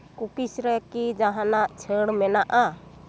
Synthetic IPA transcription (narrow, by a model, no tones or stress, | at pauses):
kukisɾɛkid͡ʒaɦanaʔt͡ʃʰəɽmɛnaʔa